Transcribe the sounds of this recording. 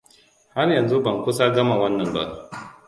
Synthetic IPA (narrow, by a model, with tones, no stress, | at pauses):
ha˦rjɐ˨nzu˦bɐ˨ŋkʷʊ˦sa˦ɡɐ˦ma˨wɐ˦nːɐ˨mba̰˦ʔ